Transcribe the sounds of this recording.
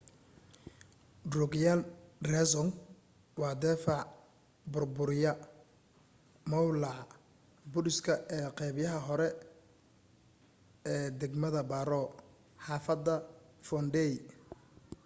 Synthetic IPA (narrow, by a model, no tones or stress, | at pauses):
rʊɡjalrɛsɔŋ | wɑːd̪ɛːfɑʕ | bʊrbʊɾɪjɐ | mɐwlɑʕ | bʊɾɪskʰɐʔɛːqɛβjɐɦɐɦɔɾɛ | ɛːd̪ɛɡmɐðɐbaːɾɔː | ħɑːfɐd̪ɐ | fɔnɖɛj